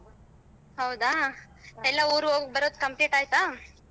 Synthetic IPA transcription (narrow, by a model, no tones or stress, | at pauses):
ɦɐwd̪aː | ɛlːauːɾuoɡkbɐɾoːd̪kɐmpliːʈaːjt̪aː